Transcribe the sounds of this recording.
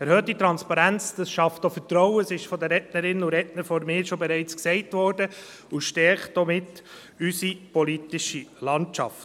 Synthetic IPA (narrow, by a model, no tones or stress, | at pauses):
ɛɾhœːtdit̪ɾɑnspɑɾænt͡sd̥ɑsʃɑftofətɾɔʊəsɪʃfɔdəɾɛtnəɾɪnuɾɛtnəɾfɔɾmɪːɾʃɔbɛɾɛɪt͡sksɛɪtvʋɔɾdə | ʊʃtɛɾχtdɔmɪtː | ysipɔlitɪʃilɑntt͡ʃɑ̰ft